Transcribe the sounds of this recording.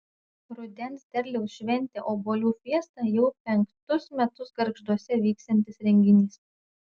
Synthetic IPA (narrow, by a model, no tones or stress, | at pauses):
ɾʊd̪ʲɛnsd̪ʲɛɾʲlʲɛʊsʃʲʋʲɛnʲˑt̪ʲeːʔoːboːlʲuːfʲiɛst̪ɑːjɛʊpʲɛŋkt̪ʊsmʲɛt̪ʊsɡɐɾɡʒd̪uɔsʲɛʋʲiːkst̪ɐnʲt̪ʲɪsɾʲɛŋʲɡʲɪnʲiːs